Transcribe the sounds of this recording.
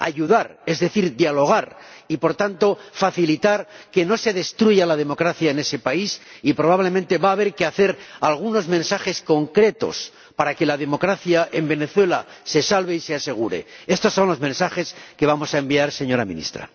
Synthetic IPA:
a̰ʝuðaɾe̞zðe̞θiɾd̪jalo̞ɣ̞aɾipo̞ɾt̪ant̪o̞faθilit̪aɾke̞no̞se̞ðe̞st̪ɾuʝalað̞e̞mokɾaθjaene̞se̞paisipɾo̞β̞aβle̞mẽnt̪e̞βaːβ̞e̞ɾkeaθe̞ɾalɣ̞uno̞zmẽ̞nsaxe̞sko̞ŋkɾe̞t̪o̞̰s | paɾake̞laðe̞mo̞kɾaθjaʔe̞mbe̞ne̞θwe̞lase̞salβe̞isease̞ɣ̞uɾe̞̰e̞st̪o̞sːo̞nlo̞zmẽnsaxe̞ske̞β̞amo̞sae̞mbiaɾse̞ɲo̞ɾamḭ̃nḭst̪ɾa̰

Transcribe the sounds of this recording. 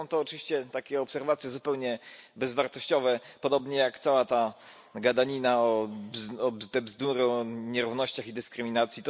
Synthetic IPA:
ɔ̃w̃t̪ɔːt͡ʂvʲiɕt͡ɕɛt̪akʲɛɔpsɛɾvat̪sʲjɛzupɛwɲɛbɛzvaɾt̪ɔɕt͡ɕɔvɛpɔd̪ɔbɲɛjakt̪sawat̪a | ɡad̪aɲinaɔzɔbzt̪ɛbzd̪uɾɨɔɲɛɾuvnɔɕt͡ɕaxid̪ɘskɾɘmʲinat̪sʲjit̪

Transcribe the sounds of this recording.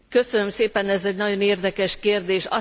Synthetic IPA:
kø̞sønømseːpɛnɛzɛɟnɒɟoneːrd̪ɛkɛʃkeːrd̪eːʃɒ̰

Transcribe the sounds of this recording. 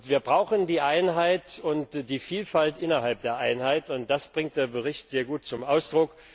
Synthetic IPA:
viːɐbʁaʊxən̩diːʔaɪnɦaɪtʊntd̥iːfiːlfaltʔɪnɐɦalp̚d̥eːɐʔaɪnhaɪtʊnt̚d̥asb̥ʁɪŋt̚d̥eːɐbəʁɪçtz̥eːɐɡuːt̚t͡sʊmʔaʊsd̥ʁʊk

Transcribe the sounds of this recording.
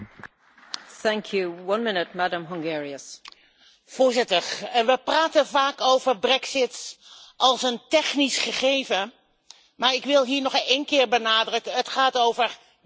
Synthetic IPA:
θæ̃ŋkʰjuwʌ̃nmɪnɪt̚madə̃mɦʌ̃ŋɡɛɹiəs | v̥ʊːɹzɪtəɹʋəpraːtəvaːkowvəɹbrɛksɪtʔɑlˠsəntɛχnisχəχejvə | maːɹɪkʋɪlˠɦiːɹnɔχejnkɪːɹbənaːdrəkəətχaːtowvəɹ

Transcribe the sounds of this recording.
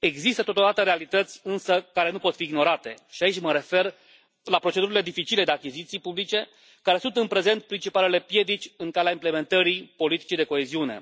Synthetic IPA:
e̞ɡzist̪ət̪o̞t̪od̪at̪əɾe̞alit̪ət̪sʲɨnsəkaɾe̞nupo̞t̪fiːɡno̞ɾat̪e̞ʃiait͡ʃʲməɾe̞fe̞r | lapɾot͡ʃe̞d̪uɾile̞d̪ifit͡ʃile̞d̪eakʲizit̪sijpublit͡ʃe̞ | kaɾe̞sunt̪ɨnpɾe̞ze̞nt̪̚pɾint͡ʃipale̞le̞pje̞d̪it͡ʃʲɨŋkaleaimple̞me̞nt̪əɾipo̞lit̪i̥t͡ʃid̪e̞ko̞eziune̞̰

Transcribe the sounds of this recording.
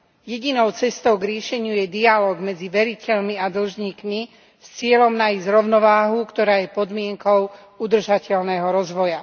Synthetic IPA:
jɛɟinɔʊt͡sɛst̪ɔʊɡɾɪɛʃɛɲɪujɛd̪ialɔːɡmɛd͡ziʋɛɾicɛʎmiad̪l̩ʒɲiːkmi | st͡sɪɛlɔmnaizɾɔʊnɔʋaːɦukt̪ɔɾaːjɛpɔd̪mɪɛŋkɔʊ | ud̪r̩ʒacɛʎnɛɦɔɾɔzʋɔja

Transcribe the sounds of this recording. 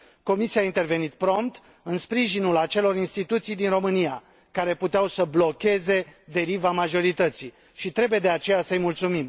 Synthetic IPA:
ko̞misiaint̪e̞rve̞nit̪pɾo̞mt̪ | ɨnspɾiʒinulat͡ʃe̞lo̞ɾinst̪it̪ut̪sijd̪inro̞mɨnija̰ | kaɾe̞put̪eawsəblo̞kʲe̞ze̞d̪e̞ɾivamaʒo̞ɾit̪ət̪si | ʃit̪ɾe̞buje̞d̪e̞at͡ʃe̞jasəɨjmult̪sumim

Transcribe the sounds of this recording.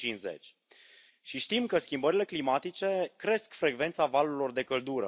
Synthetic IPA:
inze̞̰t͡ʃʲ | ʃiʃt̪imkəskʲimbəɾile̞klimat̪it͡ʃe̞kɾe̞skfɾe̞ɡve̞nt̪savaluɾilo̞rd̪e̞kəld̪uɾə̰

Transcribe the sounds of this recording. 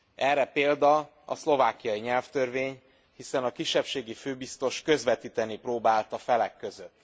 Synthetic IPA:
ʔɛrːɛpeːld̪ɒ | ɒ̰slo̞vaːkijɒjiɲɛlft̪ørveːɲ | hisɛnɒkiʃːɛpʃeːɡiføːbist̪o̞ʃkø̞zvɛt̪iːt̪ɛniproːbaːlt̪ɒfɛlɛkːø̞zøt̪ː

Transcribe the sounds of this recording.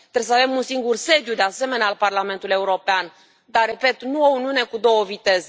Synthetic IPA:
t̪ɾeesəave̞munsiŋɡurse̞d̪jud̪e̞ase̞me̞nealparlame̞nt̪ule̞uɾo̞pean | d̪are̞pe̞t̪nuo̞uniune̞kud̪o̞wəvit̪e̞ze

